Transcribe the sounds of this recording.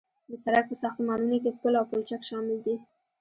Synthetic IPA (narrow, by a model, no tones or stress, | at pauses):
d̪əsaɾak̚pəsaxt̪mɑnunok̬epəlawpʊlt͡ʃakʃɑmɪld̪i